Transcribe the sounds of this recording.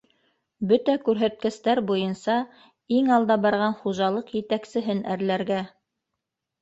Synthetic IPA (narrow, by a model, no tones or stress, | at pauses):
bɵt̪ækʉɾɦæt̪̚kɘ̆st̪æɾbujɤnsɑ | iŋɑlˠd̪ɑbɑɾʁɑnχuʒɑlˠɤqjɘ̆t̪æksɘ̆ɦɘnæɾlæɾɡæ